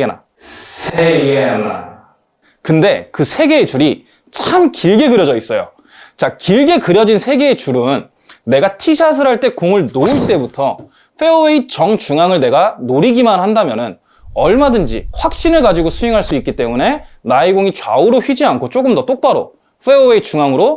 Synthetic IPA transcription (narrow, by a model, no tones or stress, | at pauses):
ena̰ | sʰeɡea | kɯnde̞kɯsʰe̞ɡe̞ːt͡ɕuɾi | t͡ɕʰamkiɭɡe̞ɡɯɾjʌd͡ʑʌis͈ʌjo̰ | t͡ɕakiɭɡe̞kɯɾjʌd͡ʑinsʰe̞ɡe̞ːt͡ɕuɾɯnː | e̞ɡatʰiɕʰas̬ʰɯɾɦaɭt͈e̞koŋɯɭnouɭt͈e̞butʰʌ | ɸʰe̞oeit͡ɕʌŋt͡ɕuŋaŋɯɭne̞ɡanoɾiɡimanhandamjʌnɯn | ʌɭmadɯnd͡ʑḭɸwak̚ɕ͈inɯɭkad͡ʑiɡosʰueŋɦaɭs͈uik͈it͈e̞mune̞naiɡoŋit͡ɕwa̰uɾoçɥid͡ʑiankʰot͡ɕ͈oɡɯmdʌt͈ok̚p͈aɾo̰ | ɸʰe̞oeit͡ɕuŋaŋɯɾo